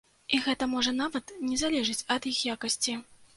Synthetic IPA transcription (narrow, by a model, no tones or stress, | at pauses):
iɣɛt̪ɐmɔʐɐnavɐt̪nʲɛzalʲɛʐɨt͡sʲɐd̪jixjakɐsʲt͡sʲi